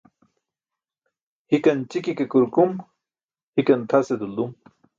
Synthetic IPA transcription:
hikɐnt͡ɕikikekuɾkum | hikɐnt̪ʰased̪uld̪um

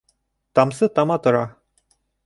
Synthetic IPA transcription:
t̪ɑmsɤt̪ɑmɑt̪ŏɾɑ

